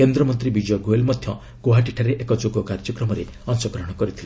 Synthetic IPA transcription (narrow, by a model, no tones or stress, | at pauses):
kend̪ɾɔmɔnt̪ɾibid͡ʒɔɡoelmɔd̪ʱjɔ | koɦaʈiʈʰaɾeʔekɔd͡ʒoɡɔkaɾd͡ʒɔkɾɔmɔɾe | ɔnsɔɡɾɔɦɔɽ̃kɔɾit̪ʰile